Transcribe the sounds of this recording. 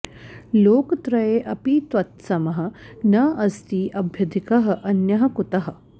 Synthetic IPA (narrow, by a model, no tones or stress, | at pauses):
loːkt̪ɾɐjeːʔɐpit̪ʋɐt̪sɐmɐɦɐ̆nɐɐst̪iːʔɐbʱjɐd̪ʱikɐɦɐ̆ʔɐnjɐɦɐ̆kut̪ɐɦɐ̆